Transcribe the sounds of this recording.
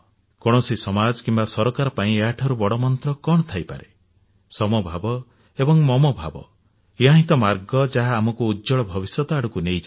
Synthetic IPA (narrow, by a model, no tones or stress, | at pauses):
kɔɽ̃ɔsisɔmad͡ʒkimbasɔɾɔkaɾɔpaĩeaʈʰɔɾubɔɽɔmɔnt̪ɾɔkɔɳ̃ɔt̪ʰajpa̰ɾe | sɔmɔbʱabɔ | ebɔŋmɔmɔbʱa̰bɔ̰ | eaɦĩt̪ɔmaɾɡɔd͡ʒaɦaːmɔkuːd͡ʒɔɭɔbʱɔbisjɔt̪ɔaɽukunejd͡ʒa